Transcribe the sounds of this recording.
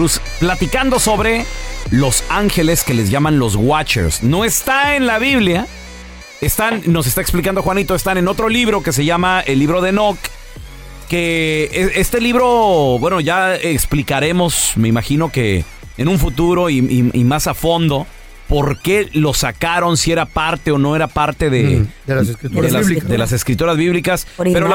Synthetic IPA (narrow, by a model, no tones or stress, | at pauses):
us | plat̪ikand̪o̞so̞βɾe̞lo̞saŋxe̞le̞ske̞le̞zʝamãnlo̞zɣwat͡ʃḛɾsno̞e̞st̪ae̞nlaβiβlja | e̞st̪anːo̞s̬est̪aeksplikand̪oxwanit̪o̞est̪ane̞no̞t̪ɾo̞liβɾo̞ke̞s̬e̞ʝamae̞lːiβɾo̞ð̞e̞no̞kː | e̞eest̪e̞liβɾo̞bwe̞no̞ʝaeksplikaɾe̞mo̞sme̞imaxino̞ke̞̰ | enũɱfut̪uɾo̞iiḭmasafo̞nd̪o̞ | po̞ɾke̞lo̞sakaɾo̞nsie̞ɾapaɾt̪e̞o̞no̞e̞ɾapaɾt̪e̞ðḛdelsskɾt̪eld̪elase̞skɾit̪uɾazβiβlikaspeɾo